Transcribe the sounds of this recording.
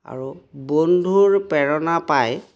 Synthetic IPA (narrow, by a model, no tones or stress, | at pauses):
a̰ɹubondʱuɹpɛɹɔnapaj